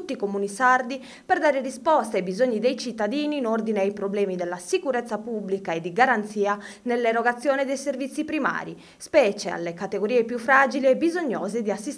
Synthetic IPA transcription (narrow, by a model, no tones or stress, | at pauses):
ut̪ːikomuːnisaɾd̪i | pɛɾd̪aːɾerispɔst̪ajbizoɲːid̪ejt͡ʃit̪ːad̪iːniːnoɾd̪ineajpɾoblɛːmid̪ɛlːasikuɾɛt̪sːapublikaed̪ːiɡaɾant̪siːanɛlːɛɾɔɡat̪sːjɔːnɛd̪ɛjseɾvit̪sːipɾima̰ːɾi | spɛːt͡ʃɛa̰lːekat̪eɡoɾiːɛpjufːɾaːd͡ʒiliɛbizoɲːɔːzed̪iasːis